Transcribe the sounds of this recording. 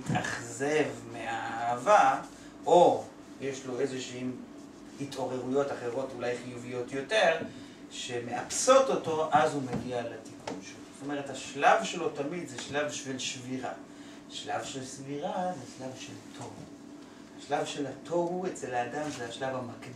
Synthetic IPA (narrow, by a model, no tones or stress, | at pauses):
itaχze̞vmeaaaːva | ʔo | jeʃlo̞ezeʃeim | hitʰo̞ʁe̞ʁujo̞taχe̞ʁo̞tulajχijuvijo̞tjo̞te̞ʁ | ʃeme̞ʔapso̞to̞to̞ʔazhumeɡialatikʰunʃelozoto̞me̞ʁ̞e̞thaʃlavʃe̞lo̞tamid̪zeʃlavʃelʃviʁa̰ | ʃlavʃelsviʁazeʃlavʃeltʰo̞v | haʃlavʃe̞lat̪ʰo̞uet͡se̞laːdamzeaʃlavamakd